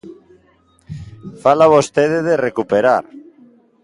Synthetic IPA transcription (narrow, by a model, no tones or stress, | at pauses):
falaβost̪eðeðerekupeɾaɾ